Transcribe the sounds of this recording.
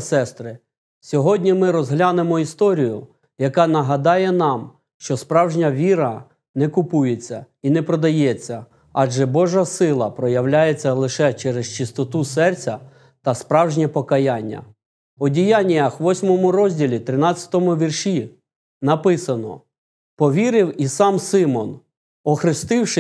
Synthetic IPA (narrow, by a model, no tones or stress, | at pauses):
sɛst̪ɾɪ | sʲɔɦɔdʲnʲimɪɾɔzɦlʲanemɔist̪ɔɾʲijʊ | jɐkɑnɐɦɐd̪ɑjɛnɑm | ʃt͡ʃɔspɾɑwʒnʲɐʋʲiɾɐ | nɛkʊpujet͡sʲːɐ | inɛpɾɔd̪ɐjɛt͡sʲːɐ | ɑʒɛbɔʒɐsɪlˠɐpɾɔjɐwlʲajet͡sʲːɐlˠɪʃɛt͡ʃɛɾest͡ʃɪst̪ɔt̪usɛrt͡sʲɐ | t̪ɐspɾɑwʒnʲɐpɔkɐjanʲːɐ̰ | ɔdʲijanʲijɐxʋɔsʲmɔmʊɾɔzʲdʲilʲit̪ɾɪnɑt͡sʲjɐ̥t̪ɔmʊʋʲirʃi | nɐpɪsɐnɔ̰ | pɔʋʲiɾɪwisɑmsɪmɔn | ɔxɾɪst̪ɪwʃɪ